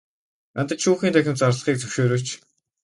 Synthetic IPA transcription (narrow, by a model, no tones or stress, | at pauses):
ant̪ə̆t͡ɕʃuːxiːnt̪ʰæxʲɪ̆mt͡sarɮə̆χiːk̚t͡sʰɵwʃeːɾoːt͡ɕ